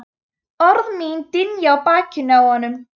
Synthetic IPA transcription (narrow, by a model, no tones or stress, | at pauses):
ɔrðmiːndɪnjɔbakʰɪnawɔnəm